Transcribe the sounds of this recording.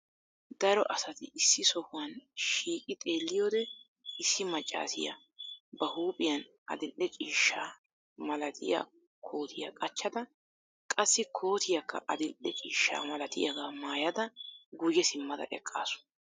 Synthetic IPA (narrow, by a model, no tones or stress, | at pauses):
d̪ɐɾɔʔɐsɐt̪ɪʔɪsːɪsɔhʊwɐnʃiːkʼɪt̪ʼe̞ːlːɪjoːd̪ɛ | ɪsːɪmɐt͡ʃʼːa̰ːsɪ̰jɐ̰ | bɐhuːpʼɪjɐn | ɐ̰d̪ɪlʔɛt͡ʃʼiːʃːaː | mɐlɐt̪ʰɪja̰ | kʰo̞ːt̪ʰɪjɐ̰kʼɐt͡ʃːɐd̪ɐ | kʼɐsːɪkʰo̞ːt̪ʰɪjɐkːɐ̰ʔɐd̪ɪlʔɛt͡ʃʼḭːʃːa̰ːmɐlɐt̪ɪjɐɡaːmaːjɐd̪ɐɡʊjɛsɪmːɐd̪ɐ̰ʔɛ̰kʼːa̰ːsʊ̥n